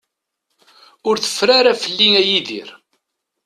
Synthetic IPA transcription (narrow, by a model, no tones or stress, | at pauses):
ʊɾθə̥fɾaɾafəlːiŋæjiðḭɾ